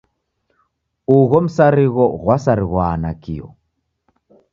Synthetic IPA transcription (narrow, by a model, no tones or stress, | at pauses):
uɣɔm̩saɾiɣɔɣwasaɾiɣwaːnakḭɔ̰